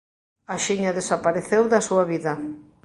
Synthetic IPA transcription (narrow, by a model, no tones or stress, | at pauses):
aʃiɲaðesapaɾeθewðɐsuaβiðɐ